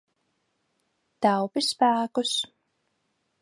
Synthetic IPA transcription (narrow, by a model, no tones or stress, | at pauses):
t̪awpʲispæːkus